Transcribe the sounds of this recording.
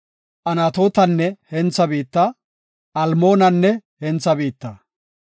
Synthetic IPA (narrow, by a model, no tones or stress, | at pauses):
ʔɐnat̪o̞ːt̪ɐnːɛhɛnt͡sːɐbiːt̪ːɐ | ɐlmo̞ːnɐnːɛhɛnt͡sːɐbiːt̪ːɐ